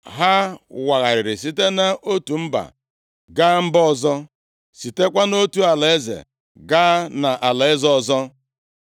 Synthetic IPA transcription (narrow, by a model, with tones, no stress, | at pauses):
ɦa˦wa˨ɣa˨ɾɪ˨ɾɪ˨s̬i˦te˦na˦ʔo˦tu˨m̩˦ba̰˨ | ɡa˦m̩˦bɔ˦zɔ˦ | si˨te˦kʷa˦no˦tu˨a˨la˨e˦zḛ˨ | ɡa˦na˨ʔa˨la˨e˦zɔ˦˨zɔ˦